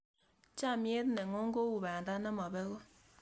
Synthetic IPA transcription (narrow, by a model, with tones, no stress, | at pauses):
t͡ʃa˦˨mje˦t̪nɛ˨ŋo˦ŋ˦ɡo˦u˨ba˨nda˦na˦ma˨bɛ˦ko˦